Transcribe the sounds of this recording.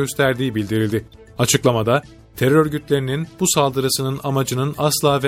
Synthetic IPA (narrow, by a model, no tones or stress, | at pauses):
ø̞st̪ʰæɾd̪iːbilʲd̪iɾilʲd̪ɪ | at͡ʃʰɯklˠamad̪a | t̪ʰe̞ɾøɾɟyt̪lʲe̞ɾininb̥usalˠd̪ɯɾasɯnɯnamad͡ʒɯnɯnaslˠaːv